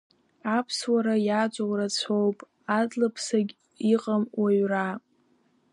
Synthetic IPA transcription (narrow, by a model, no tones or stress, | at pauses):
apʰswaɾajad͡ʒʷʼawrat͡sʷʰowpʼ | adlapʰsaɡʲ | iqʼamwʔaɥra